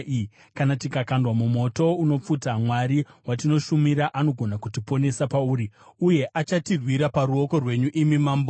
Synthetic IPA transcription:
kanatikakandwamumo̞to̞uno̞p͡futamwaɾiwatino̞ʃumiɾaʔano̞ɡʱo̞nakutipo̞ne̞sapauːɾiuje̞ʔat͡ʃatirwiɾapaɾuo̞ko̞rwe̞ɲuʔimimaːmbo

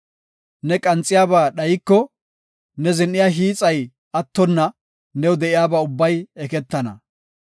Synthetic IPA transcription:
nɛkʼɐnt͡sʼːɪjaːbaːɗɐjɪkːɔ | nɛzɪnʔɪjaːɦiːt͡sʼɐj | ɐt̪ːɔnːɐ | nɛwd̪ɛʔɪjaːbaːʊbːɐjɛkɛt̪ːɐnɐ̰

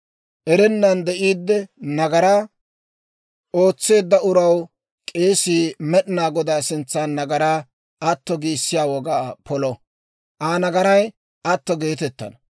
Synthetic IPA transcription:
ʔɛɾɛnːɐnd̪ɛʔiːd̪ːɛnɐɡɐɾa | o̞ːt͡sːe̞ːd̪ːɐʊɾɐw | kʼe̞ːsiːmɛɗnaːɡɔd̪aːsɪnt͡sːanːɐɡɐɾaː | ɐt̪ːɔɡiːsːɪjaːwɔɡaːpɔlɔ | ʔaːnɐɡɐɾɐj | ʔɐt̪ːɔɡe̞ːt̪ɛt̪ːɐ̰nɐ

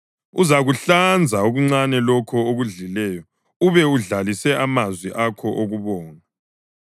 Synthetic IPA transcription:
uzaɣuɬand͡zʱaoɣuŋ͡ǀanɛlɔkʰɔoɣuɮilɛːjɔ | uβɛuɮalisɛʔamazwiʔakʰɔʔoɣuβɔːna

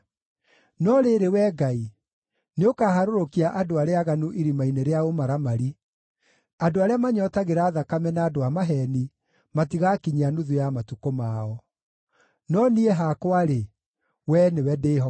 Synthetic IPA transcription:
nɔɾeɾewɛɡai | neokaːɦaɾoɾokiaʔadoaɾeaɣanuʔiɾimaineɾeaomaɾamaɾi | adoaɾeamaɲɔtaɣeɾaːðakamɛnaːdoamaɦɛni | matiɣakiɲianuðujamatukomaɔ | nɔnieɦakwaɾe | wɛnewɛdeɦɔ

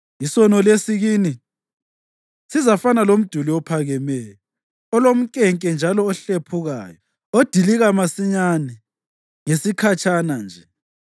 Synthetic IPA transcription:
isɔnɔlesiɣiːni | sizafanalom̩d̥ʱuliwɔpʰaɣɛmɛjɔ | ɔlom̩kʼɛŋkʼɛnd͡ʒʱalɔːɬepʰuɣa̰ːjɔ | od̥ʱiliɣamasiɲanɛ | ŋesikʰat͡ʃʼanand͡ʒʱɛ

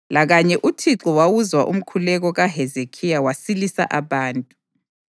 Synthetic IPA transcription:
laɣaɲɛʔutʰiǁɔwawuzwaʔṵm̩kʰulɛɣɔɣaɦɛzekʰijawasilisa̰ʔaβaːntʼu̥

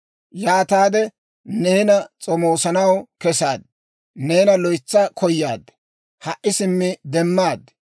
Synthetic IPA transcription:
jaːt̪aːd̪ɛ | neːnɐt͡sʼɔmoːsɐnɐwkɛsaːd̪ | neːnɐlɔjt͡sːɐkʰɔjːaːd̪ | hɐʔɪsɪmːɪd̪ɛmːaːd̪

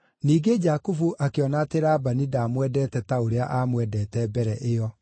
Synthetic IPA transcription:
niːɡed͡ʒakufuʔakeɔnaːteɾaːbanidaːmwɛdɛːtɛtaoɾeaʔaːmwɛdɛːtɛbɛɾɛʔeɔ

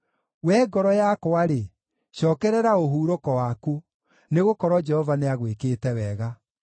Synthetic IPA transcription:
wɛːɡɔɾɔjakoaɾe | ɕɔːkɛɾɛɾaoɦuːɾokɔwaku | neɣokɔɾwɔd͡ʒɛhɔvaneaɣwekeːtɛwɛɣa

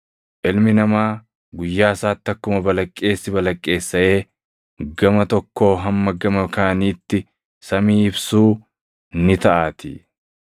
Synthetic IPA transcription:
ʔɪlmɪnɐmaː | ɡʊjːaːsaːt̪ːɐkːʊmɐbɐlɐkʼːe̞ːsːɪbɐlɐkʼːe̞ːsːɐʔe̞ː | ɡɐmɐt̪ɔkːo̞ːɦɐmːɐɡɐmɐkaːniːt̪ːɪ | sɐmiːɪbsuː | nɪt̪ɐʔaːt̪ɪ̰

